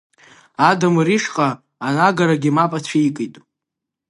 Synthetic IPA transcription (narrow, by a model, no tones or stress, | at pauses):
adamɾiʂqʼaː | naɡaɾaɡʲimapʼat͡ɕʷʰejkʼɨjtʼ